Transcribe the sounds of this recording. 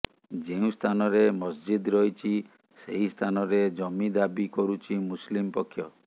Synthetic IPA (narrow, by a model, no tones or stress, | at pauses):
d͡ʒeũst̪ʰanɔɾemɔsd͡ʒid̪ɾɔjt͡ʃʰi | seɦist̪ʰanɔɾed͡ʒɔmid̪abikɔɾut͡ʃʰimuslimpɔkʰːjɔ